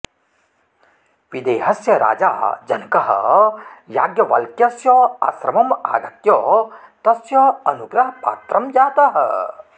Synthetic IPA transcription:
ʋid̪eːɦɐsjɐɾa̰ːd͡ʒa̰ːd͡ʒɐnkɐɦɐ̰ | jaːɡjɐʋɐ̰lkjɐsjɔa̰sɾɐmɐma̰ːd̪ʱɐkjɔːt̪ɐsjɐɐnuɡɾɐɦɐpa̰ːt̪ɾɐmd͡ʒaːt̪ɐɦɐ̰

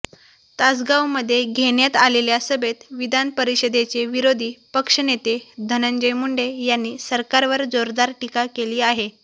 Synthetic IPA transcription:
t̪ad͡zɡawməd̪ʱːjeɡʱeɳjat̪aleljasəbʱet̪ʋid̪ʱanpəɾiɕəd̪et͡seʋiɾod̪ʱiːpəkʂənet̪ed̪ʱənəɲd͡ʑəjmuɳɖejanːiːsəɾkaɾʋəɾd͡zoɾd̪aɾʈikakeliːaɦe

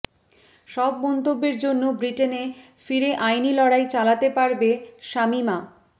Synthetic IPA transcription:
ʃɔbmɔnt̪obːeɾd͡ʑonːobɾiʈene | fiɾeʔajnilɔɽajt͡ɕalat̪epaɾbeʃamima

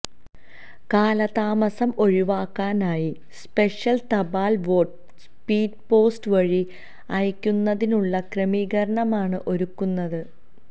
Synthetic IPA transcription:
kaːlɐðaːmɐsɐmo̞ɻiʋaːkːaːnaːji | spe̞ʂjɐlt̪ɐbaːlʋoːʈ | spiːɖ̚po̞ːstɨʋɐɻi | ɐjkʲːunːɐðinuɭːɐkremiːɣɐɾɐɳɐmaːɳɨʔo̞ɾukːunːɐðɨ

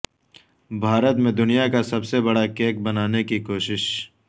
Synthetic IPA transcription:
bʱaːɾət̪mẽd̪ʊnijakasɐbsebɐɽakeːk̚bɐnaːnekikoːʃɪʃ

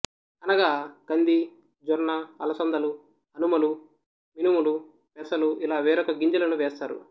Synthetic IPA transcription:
ɐnɐɡaːɡ̥ɐnd̪i | d͡ʒɔɾnɐɐlɐsɐnd̪ʱɐlu | ɐnumɐlu | minimulu | pɛsɐluʔilaːʋɛːɾɔkɐɡiɲd͡ʒɐlɐnuʋɛːst̪aːɾṵ

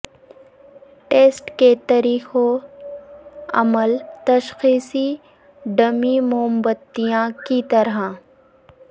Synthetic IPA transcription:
ʈeːsʈket̪ɐɾiːxo | ɐ̰məlt̪ɐʃxiːsi | ɖɐmimʊəmbət̪ːijãkit̪ɐɾa

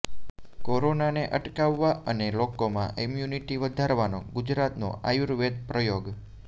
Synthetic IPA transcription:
koɾonaneʔəʈkaʋːaʔənelokomãʔimjuniʈiʋəd̪ʱaɾʋano̰ɡud͡ʒɾat̪no̰ʔa̰juɾʋed̪̚pɾəjoɡ

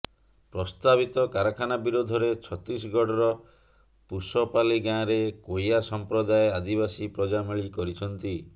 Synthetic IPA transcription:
pɾɔst̪abit̪ɔkaɾakʰanabiɾod̪ʱɔɾet͡ʃʰɔt̪ɾis̬ɡɔɖɔɾɔ | pusɔpaliɡãɾekojasɔmpɾɔd̪ajead̪ibasipɾɔd͡ʒamiɭikɔɾit͡ʃʰɔnt̪i

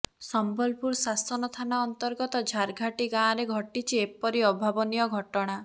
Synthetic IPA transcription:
sɔmbɔlpuɾsasɔnɔt̪ʰanaːnt̪ɔɾɡɔt̪ɔd͡ʒʱaɾɡʱaʈiɡãːɾeɡʱɔʈit͡ʃʰiepɔɾiɔbʱabɔnijɔɡʱɔʈɔɽ̃a

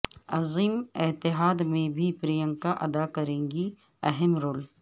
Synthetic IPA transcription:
ɐziːmɪt̪ɪɦaːd̪mẽbʱipɾijə̃ŋkaʔɐd̪akɐɾẽːŋɡi | ɛɦɛmɾoːl

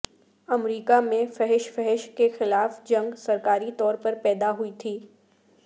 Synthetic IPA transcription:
ɐmɾiːkamẽfɛɦɪʃfɛɦɪʃkexɪlaːfd͡ʒɐ̃ŋɡsɐɾkaːɾit̪ɔːɾpɐɾpɛːd̪aɦʊit̪ʰiː

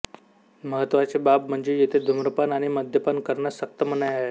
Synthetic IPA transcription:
məɦət̪ʋat͡sebap̚m̤əɳd͡zejet̪ʰed̪ʱumɾəpanaɽ̃iməd̪ʱjəpənkəɾɳasək̚t̪əmənajaɦe

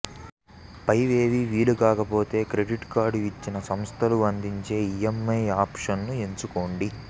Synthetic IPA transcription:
pɐjʋe̞ːʋiʋiːlukaːkɐpo̞ːt̪e̞ːkɾe̞ɖiʈkaːɾɖuit͡ʃːinɐsɐmst̪ʰɐluɐnd̪iɲt͡ʃe̞ːijemːɐjaːpʂɐnːueɲt͡ʃuko̞ːɳɖi

